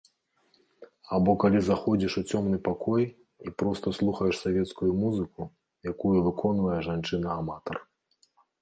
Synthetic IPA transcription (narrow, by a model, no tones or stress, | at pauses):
abɔkalʲizaxɔd͡zʲiʂut͡sʲɔmn̪ɨpakɔj | ipɾɔst̪ɐslˠuxɐjɛʂsavʲɛt̪skujumuzɨku | jakujuvɨkʰɔnvɐjɛʐant͡ʂɨnɐːmat̪ɐr